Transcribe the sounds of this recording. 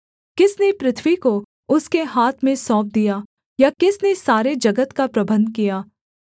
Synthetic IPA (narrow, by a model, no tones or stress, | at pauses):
kɪsnepɾɪt̪ʰwiko | ʊskeɦaːt̪ʰmẽsɔ̃ːp̚d̪ijaː | jakɪsnesaːɾed͡ʒɐɡət̪kapɾɐbə̃nd̪̚kijaː